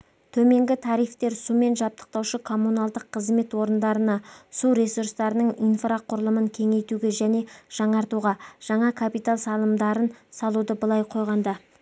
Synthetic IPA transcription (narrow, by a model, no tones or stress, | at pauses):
t̪ʰɵme̞ŋɡʲɪt̪ʰɑɾijft̪e̞ɾsume̞nʒɑp̚t̪ə̥q̚t̪ɑwʃəkʰo̞mːunɑlˠd̪əqʰːəzme̞t̪wo̞ɾənd̪ɑɾənɑsuɾe̞suɾrst̪ɑɾənəɴijnfraqʰʊɾəlˠəməŋkʲʰe̞ŋe̞jt̪uɡʲe̞ʒæne̞ʒ̥ɑɴɑɾt̪uʁɑʒ̥ɑɴɑkʰapijt̪alˠsɑlˠəmd̪ɑɾənsɑlˠud̪əbəlˠɑjqʰo̞jʁɑnd̪ɑ